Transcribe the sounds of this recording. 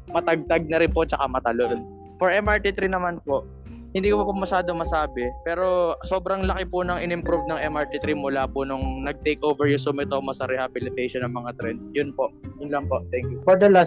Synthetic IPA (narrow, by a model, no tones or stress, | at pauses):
mɐt̪ɐɡ̚t̪ɐɡ̚nɐɾɪnpot͡ʃɐkamɐt̪ɐlon | fɔɹʔɛmʔaɹt̪it̪ɾinɐmanpo̞ʔ | hɪnd̪iːkopɐpʊmɐʃaːd̪o̞mɐsaːbɛpɛːɾo̞so̞ːbɾɐŋlɐkɪpʊnɐŋɪnɪmpɾuvnɐŋʔɛmʔaɹt̪it̪ɾimʊlaːpʊnʊŋnɐɡ̚t̪ejkʔowvɛɹjʊsʊmɪt̪oːmɐsɐɾɛhabɪlɪt̪ejʃonːɐŋmɐŋat̪ɾɛnd̪̚jʊnpoʔjʊnlɐŋpo̞ʔt̪ɛŋkjʊfɔɹd̪ɐlas